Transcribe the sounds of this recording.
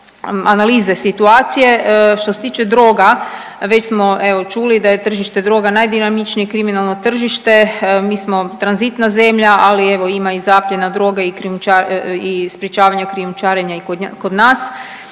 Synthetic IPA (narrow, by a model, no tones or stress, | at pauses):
analiːze̞sit̪uaːt̪sije̞ʃt̪ose̞t̪iːt͡ʃe̞d̪ɾo̞ːɡa | ʋe̞t͡ɕsmo̞ʔe̞ʋo̞t͡ʃulid̪aje̞t̪r̩ʒiʃt̪e̞d̪ɾo̞ɡanajd̪inamit͡ʃnijekɾiminalˠno̞t̪r̩ʒiʃt̪e̞miːsmo̞t̪ɾanzit̪naze̞mʎaʔalie̞ʋo̞imaizaːpʎenad̪ɾo̞ɡaikɾiumt͡ʃaispɾjet͡ʃaːʋaɲakɾiumt͡ʃaːɾeɲaikokod̪naːs